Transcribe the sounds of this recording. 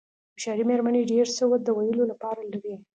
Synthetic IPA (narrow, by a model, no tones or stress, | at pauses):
bʃɑɾimeɾmaneɖeɾsəwət̪̚d̪əwajəlolapɑɾalaɾi